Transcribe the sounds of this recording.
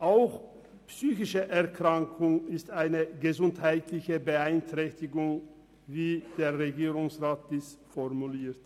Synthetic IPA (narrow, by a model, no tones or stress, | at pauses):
ʔaʊx | psyːçɪʃəʔɛɐkʁ̥aŋkʰʊŋɪstaɪnəɡəzʊnthaɪtlɪçəbəaɪntʁ̥ɛçtɪɡʊŋ | viːd̥eːɐʁeɡiːʁʊŋsʁaːt̚d̥iːsfɔʁmuliːt